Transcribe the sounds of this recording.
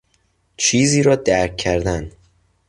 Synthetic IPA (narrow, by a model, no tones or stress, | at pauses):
t͡ʃʰiːziːɾɒːd̪æɾkʰːæɾd̪æn